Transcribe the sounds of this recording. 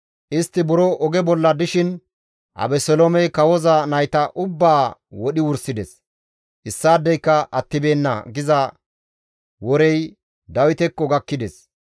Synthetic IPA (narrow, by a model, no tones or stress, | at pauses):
ʔɪst̪ːɪbʊɾoʔɔɡɛbɔlːɐd̪ɪʃɪn | ʔɐ̰bɛsɔlomɛjkɐwɔzɐnɐjt̪ɐʔʊbːaːwɔɗɪwʊɾsɪd̪ɛs | ʔɪsːaːd̪ːɛjkːɐʔɐt̪ːɪbeːnːɐ̰ɡɪzɐ | wɔɾɛj | d̪ɐwɪt̪ɛkːɔɡɐkːɪd̪ɛs